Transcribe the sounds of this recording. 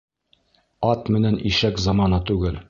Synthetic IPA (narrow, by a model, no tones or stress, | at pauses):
ɑt̪mɘ̆næniʃækzɑmɑnɤt̪ʉɡɘl